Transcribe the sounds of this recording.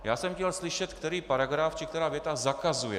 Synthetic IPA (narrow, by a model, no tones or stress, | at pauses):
jaːsɛmxcɛlslɪʃɛt̪kt̪ɛɾiːpaɾaɡɾaft͡ʃɪkt̪ɛɾaːvjɛt̪azakazujɛ̰